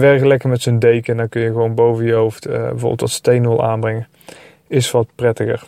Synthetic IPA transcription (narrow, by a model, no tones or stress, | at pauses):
ʋɛɹkəlɛkəmɛtsondejkəndɔnkɵnjəɣəʋownbowvəjəɦowftbəvo̰ːbəlˠtɑ̰tstejnʋəlˠʔaːnbrɛŋə | ɪsʋɑt̚prɛtəɣə̰ɹ